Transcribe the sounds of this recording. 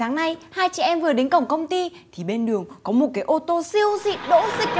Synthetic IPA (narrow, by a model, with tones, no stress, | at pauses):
aː˨˦ŋna˧jhaː˧jt͡ɕɛ̰˧˨ʔɛ˧mvɨ˨˩ə˩ɗe˨˦nkə˧˩wŋ͡mkə˧wŋ͡mt̪i˧t̪ʰi˨˩ɓe˧nɗɨ˨˩əŋkɔ˨˦mo˨˩t̚kaː˨˦jʔo˧t̪o˧si˧əwzḭ˧˨ɗo̰˧˥zï˨˩k̚